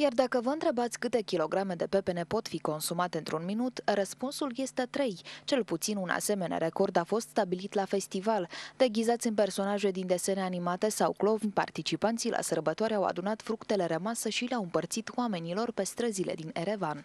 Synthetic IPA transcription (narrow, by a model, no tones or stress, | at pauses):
jard̪akəvəɨnt̪ɾe̞bat̪sʲkɨt̪e̞kʲilo̞ɡɾame̞d̪e̞pe̞pe̞ne̞po̞t̪fiko̞nsumat̪eɨnt̪ɾunminut̪ɾəspunsulje̞st̪e̞t̪ɾe̞jt͡ʃe̞lput̪sinunʔa̰se̞me̞na̰ɾe̞ko̞rd̪afo̞st̪st̪abilit̪lafe̞st̪ivald̪̥e̞ɡʲizat̪sʲɨnpe̞rso̞naʒe̞d̪ind̪e̞se̞neanimat̪e̞sawklo̞vnʲpa̰rt̪it͡ʃipant̪silʔa̰sərbət̪oaɾawa̰d̪unat̪fɾukt̪e̞le̞ɾemasəʃileawɨmpərt̪sit̪wame̞nilo̞rpe̞st̪ɾəzilḛd̪ineɾe̞van